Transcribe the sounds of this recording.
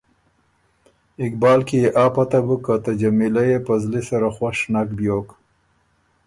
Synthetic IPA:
ɪkbɑːlkijeʔɑːpat̪abukat̪ad͡ʒamilajepəzlisaɾaxwaʂnakbjok

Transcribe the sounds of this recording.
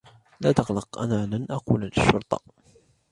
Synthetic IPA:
laːt̪ɑɣlɑqʔa̰naːlanʔaquːlalɪʃːʊɾˤt̪ˤɑ̰

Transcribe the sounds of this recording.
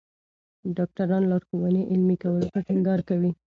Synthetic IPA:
ɖɑk̚ʈaɾɑnlɑɾxuwaneʔɪlmikawəloxəʈɪŋɡɑɾkawi

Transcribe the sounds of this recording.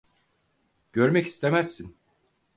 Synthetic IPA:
ɟ̥øɾmɛci̥st̪ʰe̞mæsːin

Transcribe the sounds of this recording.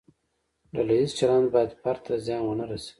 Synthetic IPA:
lalaizt͡ʃaland̪bɑjad̪paɾt̪ʰazjɑnwənaɾase̥

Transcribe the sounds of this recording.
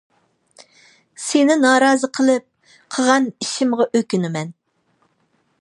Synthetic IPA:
senɪnɑːɾɑːzəqʰəlˠɨp̚ | qʰəʁɑniʃɪmʁɑʔøkʲynɪmɛn

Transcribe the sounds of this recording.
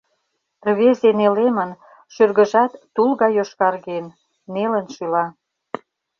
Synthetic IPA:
rβezenelemən | ʃyrɣə̆ʒɑt̪ːulɣɑjoʃkɑrɣen | nelə̆nʃylɑ

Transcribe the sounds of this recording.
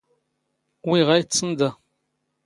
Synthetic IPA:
wiʁajt͡sːənd̪a

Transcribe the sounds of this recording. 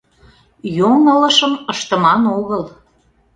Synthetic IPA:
joŋələ̆ʃəməʃt̪ə̆mɑnoɣəl

